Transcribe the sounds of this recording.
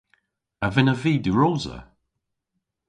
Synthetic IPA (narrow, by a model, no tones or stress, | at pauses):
əvɪnəviːdəɹoːzə̰